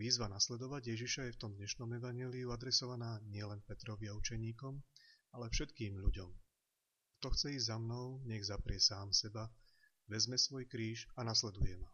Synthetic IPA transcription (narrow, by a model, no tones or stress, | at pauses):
ʋiːzʋanaslɛd̪ɔʋaɟjɛʒiʃajɛft̪ɔmd̪ɲɛʃnɔmɛʋaɲɛːliuad̪ɾɛsɔʋanaːɲɪɛlɛnpɛt̪ɾɔʋɪaut͡ʃɛɲiːkɔm | alɛfʃɛt̪kiːmʎuɟɔm | kt̪ɔxt͡sɛiːzamnɔʊɲɛɣzapɾɪɛsaːmsɛba | ʋɛzmɛsʋɔjkɾiːʃanaslɛd̪ujɛma